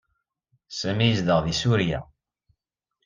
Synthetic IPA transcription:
sæmijəzd̪əʁðisuɾjæ̰

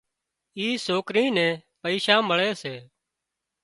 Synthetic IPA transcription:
iːsoːkɾĩːnɛ̃ːpəiːʃãːməɭeːseː

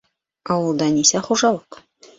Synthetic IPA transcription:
ɑwə̆lˠd̪ɑnisæχuʒɑlˠəq

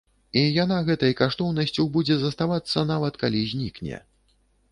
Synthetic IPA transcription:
ijanaɣɛt̪ɐjkaʂt̪ɔwnɐsʲt͡sʲuwbud͡zʲɛzɐst̪avat̪sːɐnavɐt̪kalʲizʲnʲiknʲɛ̰

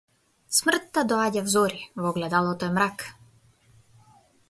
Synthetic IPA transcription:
smr̩t̪ːad̪ɔaɟavzɔɾivɔɡlɛd̪alˠɔt̪ɔɛmɾak

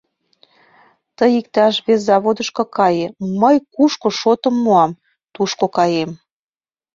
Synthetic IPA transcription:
t̪əjik̚t̪ɑʃβeszːɑβod̪əʃkɤ̆kɑjeməjkuʃkŏʃot̪ə̆mːuɑm | t̪uʃkokɑjem

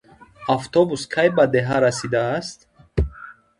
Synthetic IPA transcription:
aft̪ʰɔbuskʰajbad̪eɦaɾasid̪aːst̪

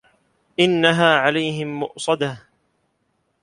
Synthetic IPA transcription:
ʔɪnːaɦaːʕalajɦɪmːʊʔsˤɑd̪a

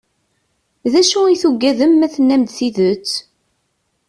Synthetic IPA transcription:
ðæʃuiθuɡːæðəmːæθənːæmd̪θiðət͡sː

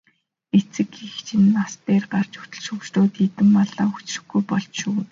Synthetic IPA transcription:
et͡sɘ̆kixt͡ɕʰinːast̪eːrɢar̥t͡ɕu̥t̪ɵ̆ɮʃɵkt͡ɕt̪oːt̪it̪ɘ̆mːɔɮaːu̥t͡ɕrɘ̆xɡujpɔɮt͡ɕʃuː

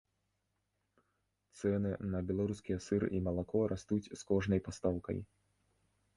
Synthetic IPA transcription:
t̪sɛnɨnɐbʲɛlˠaɾuskʲijɛsɨɾḭmɐlˠakɔɾʔast̪ut͡sʲskɔʐnɐjpast̪awkɐ̰j

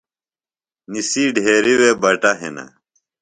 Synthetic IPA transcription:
nisiːɖʱeːɾiweːbɐʈɐɦḛnɐ̰

